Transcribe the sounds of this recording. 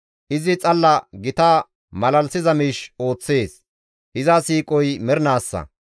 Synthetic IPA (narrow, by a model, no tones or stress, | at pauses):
ʔɪzɪt͡sʼɐlːɐɡɪt̪aː | mɐlɐlsɪzɐmiːʃo̞ːt͡sːe̞ːs | hɪzɐsiːkʼɔjmɛɾnaːsːɐ̰